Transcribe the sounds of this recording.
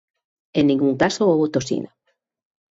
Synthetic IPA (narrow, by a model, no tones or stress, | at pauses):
enːĩŋɡuŋkasooβot̪osḭna